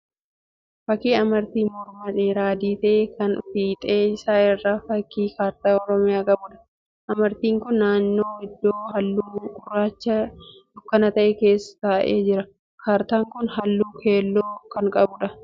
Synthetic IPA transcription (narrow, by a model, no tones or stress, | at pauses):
fɐkːiːɐmɐɾt̪iːmɔɾmɐᶑ̪eːɾaːd̪iːt̪ɐʔeːkɐnfiːt̪ʼeːɪsaːɪrːaːfɐkːiːkaːɾt̪aːɔɾɔmɪjaːkʼɐbʊᶑɐ̥ | ʔɐmɐɾt̪iːŋkʊnːaːnːo̞ːɪd̪ːoːhɐlːuːkʊrːaːt͡ʃːɐd̪ʊkːɐnɐt̪ɐʔɛke̞ːsːɐ̥t̪aːʔḛːd͡ʒɪɾɐ | kʰaːɾt̪aːŋkʊnhɐlːuːkʰe̞ːlːoːkɐŋkʼɐbʊᶑɐ